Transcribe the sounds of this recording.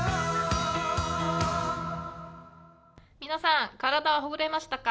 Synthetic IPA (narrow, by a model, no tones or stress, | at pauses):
mʲinasãŋkaɾad̪aβaɦoɡɯɾe̞maɕi̥t̪aka